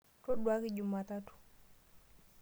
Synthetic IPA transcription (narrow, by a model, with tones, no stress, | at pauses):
to˦ɗwa˦ki˦ɟu˨ma˨ta˦tu̥˨